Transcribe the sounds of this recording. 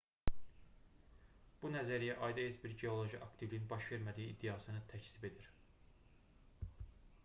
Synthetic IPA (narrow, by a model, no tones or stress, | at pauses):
b̥unæzæɾijæʔɑjd̪ɑesbiɾɟeo̞lˠo̞ʒiʔɑkt̪ʰivlijinbɑʃve̞ɾmæd̪iiːd̪ːijɑsɯnɯt̪ʰæcʰsibe̞d̪iɾ